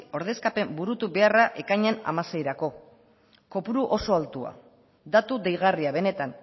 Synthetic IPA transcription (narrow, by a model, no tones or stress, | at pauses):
o̞ɾð̞e̞skape̞mbuɾut̪uβe̞araʔe̞kaɲena̰mase̞jɾako̞ | ko̞puɾuʔo̞so̞alt̪ua̰ | d̪at̪ud̪ejɣ̞ariaβ̞e̞ne̞t̪an